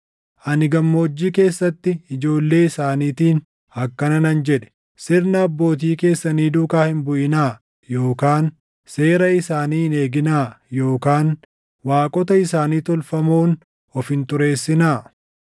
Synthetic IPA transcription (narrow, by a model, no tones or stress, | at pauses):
ʔɐnɪɡɐmːo̞ːd͡ʒːiːke̞ːsːɐt̪ːɪɪd͡ʒo̞ːlːe̞ːɪsaːniːt̪iːn | ɐkːɐnɐnɐnd͡ʒɛᶑɛ̥ | sɪɾnɐːbːo̞ːt̪̬iːke̞ːsːɐniːd̪ʊːkaːhɪmbʊʔɪnaː | jo̞ːkaːn | se̞ːɾɐɪsaːniːɪne̞ːɡɪnaːjo̞ːkaːn | waːkʼɔt̪ɐɪsaːniːt̪ɔlfɐmoːn | ɔfhɪnt̪ʊɾe̞ːsːɪnaː